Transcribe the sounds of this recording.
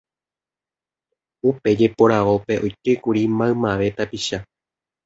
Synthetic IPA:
upe̞d͡ʒe̞po̞ɾaʋo̞pe̞ʔo̞jke̞kuɾimãɨmãʋe̞t̪apiʃa

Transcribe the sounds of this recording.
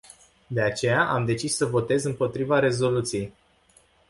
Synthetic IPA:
d̪e̞at͡ʃe̞jaʔamd̪e̞t͡ʃisːəvo̞t̪e̞zɨmpo̞t̪ɾivaɾe̞zo̞lut̪sije̞j

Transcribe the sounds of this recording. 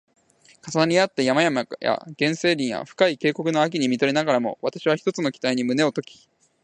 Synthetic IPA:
kasanaɲ̟iat̪ːejamajamaja̰ɡ̥ẽ̞ɰ̃se̞ːɾʲĩɰ̃ja̰ɸɯ̟̥kaike̞ːko̞kɯ̟no̞ak̬ʲiɲ̟imʲit̪o̞ɾe̞naɡaɾamo̞̰βat̪aɕiβ̞açi̥t̪o̞t͡sɨno̞kʲi̥t̪aiɲ̟imɯ̟ne̞o̞t̪o̞kʲi̥

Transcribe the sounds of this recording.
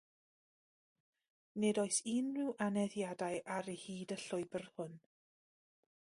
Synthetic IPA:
nɨdɔɨsinrɪwʔanɛðjadajʔaɾehiːdəɬʊɨbərhʊn

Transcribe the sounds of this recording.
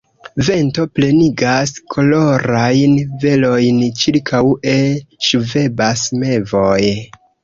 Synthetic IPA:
ve̞nto̞ple̞niɡaskʰo̞lo̞ɾajnve̞lo̞jnt͡ʃiɾkʰawʔe̞ʃuve̞basme̞vo̞j

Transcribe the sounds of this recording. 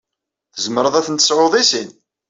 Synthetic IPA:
θəzməɾəðˤæθənt̪ə̥sʕoðˤisin

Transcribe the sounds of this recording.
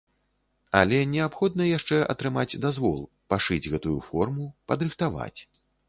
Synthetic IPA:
ɐ̰lʲɛnʲɛapxɔd̪nɐjaʂt͡ʂɛʔɐ̰t̪ɾɨmad͡zʲd̪azvɔ̰lˠ | paʂɨd͡zʲɣɛt̪ujufɔrmupɐd̪ɾɨxt̪ava̰t͡sʲ

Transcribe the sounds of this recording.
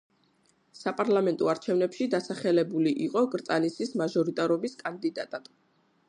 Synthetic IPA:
sapʼaɾlˠamɛnt̪ʼɔaɾt͡ʃʰɛvnɛpʃid̪asaχɛlɛbuliʔiqʼɔɡɾt̪sʼanisʰismaʒɔɾit̪ʼaɾɔbiskʼand̪id̪at̪ʼad̪̥

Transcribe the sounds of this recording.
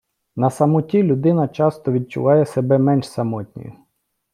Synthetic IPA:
nɐsɐmʊtʲilʲʊd̪ɪnɐt͡ʃɑst̪ɔʋʲid̪̚t͡ʃʊ̰ʋɑjɛsebɛmɛnʲʃsɐmɔtʲnʲɔ̰jʊ̰

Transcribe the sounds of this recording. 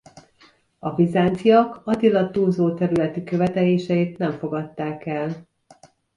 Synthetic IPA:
ɒvizaːnt̪sijɒkɒd̪ilɒt̪uːlzoːt̪ɛɾylɛt̪ikø̞vɛt̪ɛleːʃɛit̪nɛɱfo̞ɡɒt̪ːaːkɛl

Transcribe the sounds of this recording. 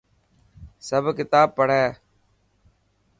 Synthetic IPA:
səbkɪt̪aːb̚pːəɽ̤ɛː

